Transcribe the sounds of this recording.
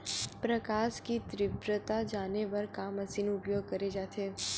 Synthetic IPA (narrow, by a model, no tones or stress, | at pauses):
pɾɐkaːʃkit̪ɾɪbɾət̪ad͡ʒaːneʋɐɾkaːmɐsinʊpjoːɡ̚kɐɾed͡ʒaːt̪ʰeː